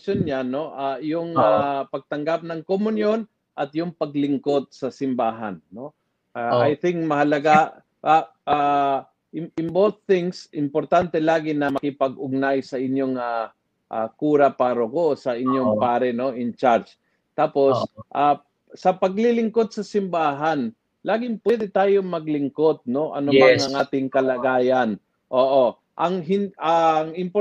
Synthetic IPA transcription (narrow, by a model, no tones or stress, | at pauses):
onɲano̞ʔajʊŋapɐɡ̚t̪ɐŋɡap̚nɐŋkomʊnjon | ʔɐt̪jʊŋpɐɡlɪŋko̞d̪̚sɐsɪmbaːɦa̰nːo̞ | aʔajθɪŋkmɐhɐlɐɡa | ʔa | ʔa | ɪɪmboθːɪŋsʔɪmpoɾt̪ant̪ɛlaːɡɪnɐmɐkɪpɐɡʊɡ̚najsɐʔɪnjoŋa | ʔakuːɾɐpaːɾokosɐʔɪɲjoŋpaːɾɛno̞ʔɪnt͡ʃaɾt͡ʃ | t̪aːpo̞sʔa | sɐpɐɡlɪlɪŋkod̪̚sɐsɪmbaːɦan | laːɡɪŋpwɛd̪ɛt̪aːjomɐɡlɪŋko̞t̪̚no̞ʔɐ̰nʊmaŋɐŋʔaːt̪ɪŋkɐlɐɡaːjɐn | ʔoːʔo | ʔɐŋɦɪnʔɐŋɪmpo